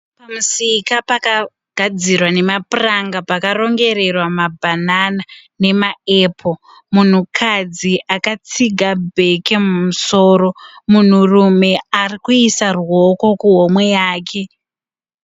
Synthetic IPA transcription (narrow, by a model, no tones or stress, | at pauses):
pamusikapaka | ɡ̥ʱad͡zirwane̞mapuraŋɡapakaro̞ŋɡe̞re̞rwamabʱananane̞maeːpʰo̞ | mun̤ukʰad͡ziʔakat͡siɡʱabʱe̞ke̞mumuso̞ːɾo̞mun̤urume̞arikuisarwo̞ko̞kuɦo̞mwe̞jaːkʰe̞